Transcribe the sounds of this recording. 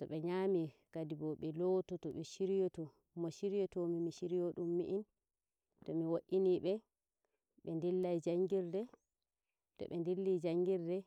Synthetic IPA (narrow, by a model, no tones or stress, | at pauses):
tɔɓɛɲamikadibɔɓɛlɔtɔtɔɓɛʃiɾijɔtɔ | mɔʃiɾijɔtɔmimiʃiɾijoɗumːiʔin | tɔmiwoʔiniɓɛ | ɓɛndilːajd͡ʒaŋɡiɾdɛ | tɔ̰ɓɛndilːid͡ʒaŋɡiɾdɛ